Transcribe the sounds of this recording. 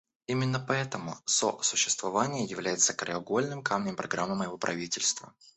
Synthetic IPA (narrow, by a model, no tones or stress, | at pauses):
imʲɪnːəpɐɛt̪əmʊso̰sʊɕːɪ̥st̪vɐvanʲɪjəjɪvlʲæjɪt̪səkəɾʲɪɐɡo̞lʲnɨmkamnʲɪmpɾɐɡɾamːəməjɪvo̞pɾʔɐ̰vʲitʲɪlʲst̪və̰